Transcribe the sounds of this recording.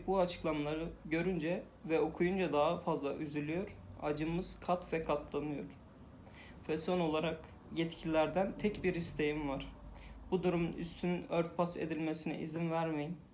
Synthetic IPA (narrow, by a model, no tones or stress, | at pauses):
buat͡ʃʰɯ̥klˠamalˠaɾɯɟø̞ɾynd͡ʒɛ | vɛo̞kʰujund͡ʒad̪aɦafazlˠaʔyzylʲyjo̞ɾ̥a̰d͡ʒɯmɯz̥kʰat̪vɛkʰat̪lˠanɯjo̞ɾ̥ | vɛso̞no̞lˠaɾak | jɛt̪cʰilʲilʲæɾd̪ænt̪ʰɛcbiɾist̪ʰe̞jimvaɾ̥b̥ud̪uɾumny̰st̪ʰynynøɾt̪̚pʰasḛd̪ilʲmesinɛ̰ʔizinvæɾmejin